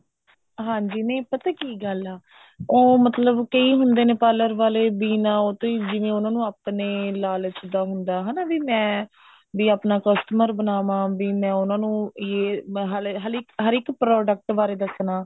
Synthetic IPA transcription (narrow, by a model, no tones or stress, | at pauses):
ɦãːɲd͡ʒiːnẽːpət̪aːkiːɡəlaː | oːmət̪ləbkəiːɦʊnd̪eːneːpaːləɾʋaːleːbiːnãːoːt̪õːiːd͡ʒɪʋẽːʊnãːnũːaːpneːlaːlt͡ʃd̪aːɦʊnd̪aːɦaːnaːʋiːmɛ̃ː | biːaːpnaːkɔsʈəməɾbənaːʋãːbiːmɛ̃ːʊnãːnũːjeːɦəɦəɾɪkɦəɾɪkpɾɔːɖək̚ʈbaːɾeːd̪əsnãː